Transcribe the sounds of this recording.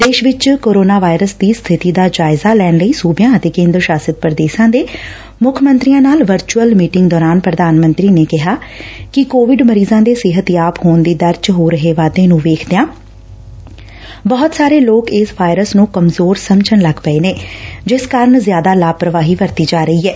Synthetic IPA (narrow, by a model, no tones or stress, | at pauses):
d̪eːʃʋɪt͡ʃkoːɾoːnaːʋaːɪɾəsd̪iːst̪ʰɪt̪iːd̪aːd͡ʒaːɪzaːlɛːnləiːsuːbjãːət̪eːkẽːnd̪ɾəʃaːsət̪̚pɾəd̪eːʃãːd̪eː | mʊkʰmə̃nt̪ɾijãːnaːlʋəɾt͡ʃuəlmiːʈɪ̃ŋɡ̚d̪ɔːɾaːnpɾəd̪aːnmə̃nt̪ɾiːneːkɪɦaːkɪkoːʋɪɖməɾiːzãːd̪eːsɪɦət̪jaːphoːnd̪iːd̪əɾt͡ʃɦoːɾəɦeːʋaːd̪ẽːnũːʋeːkʰd̪ejãː | bəːʊt̪saːɾeːloːkɪsʋaːɪɾəsnũːkəmzoːɾsəmt͡ʃənləɡpəeːneːd͡ʒɪskaːɾəɳzjaːd̪aːlaːpɾəʋaːɦiːʋəɾt̪iːd͡ʒaːɾəiːɛː